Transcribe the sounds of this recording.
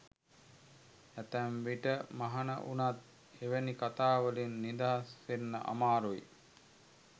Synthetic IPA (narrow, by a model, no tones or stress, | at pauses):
æt̪ænʋiʈəmaɦɐnə̰ʔunat̪̚ | eʋenikat̪aːʋəlinːid̪aɦasʋenːə̰ʔa̰maːɾuji